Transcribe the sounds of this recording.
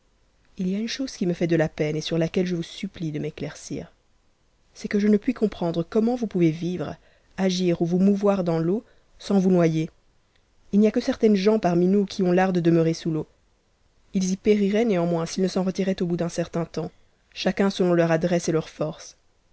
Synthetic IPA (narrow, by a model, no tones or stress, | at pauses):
ilijaynʃoz̥kʲiməfɛd̪əlapɛnesyʁlakʲɛlʒəvusyplid̪əmeklɛʁsḭːʁ | sɛkəʒənəpɥikɔ̃pχɑ̃d̪ʁəkɔmɑ̃vupuvevivʁ | aʒiːʁuvumuvwaʁd̪ɑ̃lo | sɑ̃vunwaje | ilniakəsɛʁt̪ɛnʒɑ̃paʁminukʲʰiɔ̃laʁd̪əd̪əmœʁesulo | ilzipeʁiʁɛneɑ̃mwɛ̃silnəsɑ̃ʁət̪iʁɛt̪obud̪ɛ̃sɛʁt̪ɛ̃t̪ɑ̃ | ʃakʲɛ̃səlɔ̃lœʁad̪ʁɛselœʁfɔʁs